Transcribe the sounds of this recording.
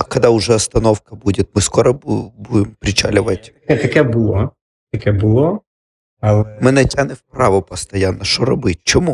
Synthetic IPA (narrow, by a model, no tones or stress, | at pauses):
kɐd̪ɑʊʒɛɔst̪ɐnɔwkɐbudʲɪt̪̚ʲmɪskɔɾɔbubud̪ɪmpɾʲɪt͡ʃɑ̰lʲʊʋɐtʲkɛt̪ɐkɛbʊlˠɔ | t̪ɐkɛbʊlˠɔ | ɐlˠɛmɪnɛtʲanɪwpɾɑʋɔpɐst̪ɐjanːɐʃt͡ʃɔɾɔbɪt̚ʲt͡ʃɔmu